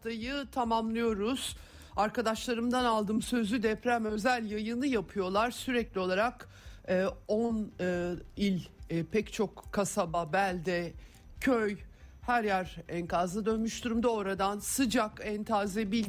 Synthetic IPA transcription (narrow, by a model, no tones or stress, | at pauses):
t̪ajɯt̪ʰamamlˠɯjo̞ɾuz̥ | aɾkad̪aʃlˠaɾɯmd̪analˠd̪ɯmsø̞zyd̪ɛpɾæmø̞zælʲjajɯnɯjapʰɯjo̞lˠaɾsyɾɛclʲio̞lˠaɾakː | on | ilʲpʰɛct͡ʃʰo̞kːʰasababælʲd̪ɛ | cʰøjhæɾjaɾɛnkazad̪ø̞nmyʃd̪uɾumd̪aoɾad̪ansɯd͡ʒakɛnt̪ʰaːzɛbilʲ